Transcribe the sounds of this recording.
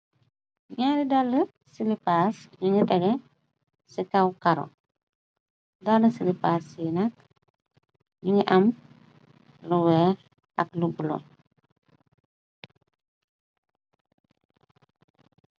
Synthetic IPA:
ɲaɾidɔlːə | silipasɲuɲiɗɛɡɛ | sikɐwkɐɾɔ̰ | dɔləsilipaːsinɐk | ɲuɲiʔɐm | luwɛːɾ | ɐklubulo̰

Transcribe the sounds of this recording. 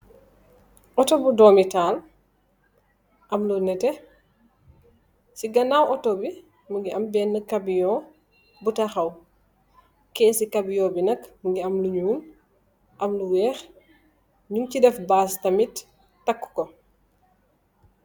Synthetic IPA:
ʔɔtɔbudɔːmital | ʔɐmlunɛtɛ | siɡɐnawɔtobi | muɡiʔɐmbɛːnːəkːɐbijɔː | butɐxɐw | kɛːnsikɐbjɔːbinɐkməɡiɐmluɲuːn | ʔɐmluwɛːx | ɲuŋcidɛfbaːstɐmitː | ɐkːkɔ

